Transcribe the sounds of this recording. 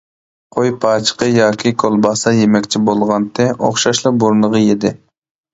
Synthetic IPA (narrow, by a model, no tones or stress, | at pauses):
qʰojpʰɑːt͡ʃʰə̥qəjɑːkʲʰikʰolˠbɑsɑjemɛkʲt͡ʃʰibolˠʁɑnt̪ʰɪʔo̰χʃɑʃlˠɑbuɾnəʁəjed̪ɪ